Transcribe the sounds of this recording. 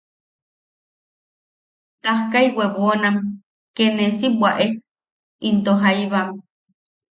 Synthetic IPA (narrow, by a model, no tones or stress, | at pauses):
t̪ahkaiweβonam | kenesibwaʔe | int̪oɦaiβam